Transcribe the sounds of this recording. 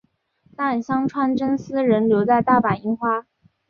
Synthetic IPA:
t̪a˥˩nɕjɑ˥ŋʈ͡ʂʰwa˥nʈ͡ʂə˥nsɹ̩˥ɻə˧˥nljo˧˥ʊt͡sa˥˧ɪt̪a˥˩pa˨˩ni˥˩ŋxwa˥

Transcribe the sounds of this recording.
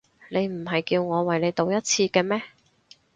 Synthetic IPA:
ne˨˧jm̩˨˩ɦɐ˨jkiː˧wŋɔː˨˧wɐ˨jle˨˧jt̪o˨˧wjɐ˥t̚t͡sʰiː˧kɛː˧mɛː˥

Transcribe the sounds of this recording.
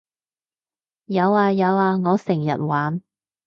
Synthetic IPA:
jɐ˨˧waː˧jɐ˨˧waː˧ŋɔː˨˧sɪ˨˩ŋjɐ̰˨˩t̚waː˨˥n

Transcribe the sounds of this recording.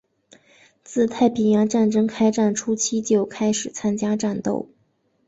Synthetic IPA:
t͡sɹ̩˥˧t̪ʰa˥˩ɪpi˨˩njɑ˧˥ŋʈ͡ʂa˥˩nʈ͡ʂɤ˥ŋkʰa˥ɪʈ͡ʂa˥˩nʈ͡ʂʰu˥t͡ɕʰi˥t͡ɕjo˥˩ʊkʰa˥ɪʂɻ̩˨˩t͡sʰa˥nt͡ɕja˥ʈ͡ʂa˥˧nt̪o̰˥˩ʊ

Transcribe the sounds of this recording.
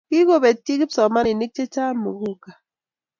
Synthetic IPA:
ki˦ko˦be˨ti˦ki˦psɔ˨ma˦ni˨ni˦k̚t͡ʃe˦t͡ʃa˦mu˨ɡu˦ka˨

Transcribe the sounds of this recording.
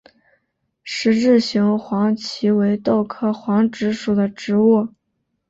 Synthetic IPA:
ʂɻ̩˧˥ʈ͡ʂɻ̩˥˩ɕi˧˥ŋxwɑ˧˥ŋt͡ɕʰi˧˥we˧˥ɪt̪o˥˧ʊkʰɤ˥˩xwɑ˧˥ŋʈ͡ʂɻ̩˧˥ʂu˨˩d̪ə˦ʈ͡ʂɻ̩˧˥wɔ˥˩

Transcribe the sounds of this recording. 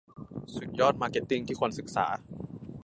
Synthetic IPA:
su˨˩t̪̚jɔː˥˩t̪̚maː˧ke˨˩t̪ːi˥˩ŋt̪ʰiː˥˩kʰo˧nsɯ˨˩k̚sa̰ː˩˦

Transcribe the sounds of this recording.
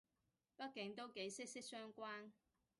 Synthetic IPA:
pɐ˥t̚kɪ˨˥ŋt̪o˥wke˨˥jsɪ˥k̚sɪ˥k̚sœː˥ŋkʷaː˥n

